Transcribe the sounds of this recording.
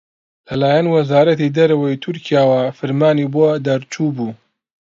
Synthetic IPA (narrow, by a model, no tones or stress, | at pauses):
lɐlaːjɐnwɐzaːɾɐt̪id̪ɐɾɐwɐjt̪ʰʊɾkʰijaːwafɨɾmaːnibod̪ɐɾt͡ʃubuː